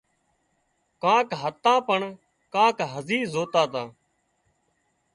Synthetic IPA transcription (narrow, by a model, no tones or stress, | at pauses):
kãːkɦət̪ːãːpəɳ | kãːkɦəziːzoːt̪ãːt̪ãː